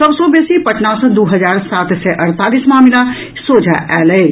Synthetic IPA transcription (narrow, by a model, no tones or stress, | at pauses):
səbsõbeːsipəʈnasd̪uɦəd͡ʒaːɾsaːt̪sɛʔəɾt̪aːlismaːmla | soːd͡ʒʱaʔɛːlɛɪ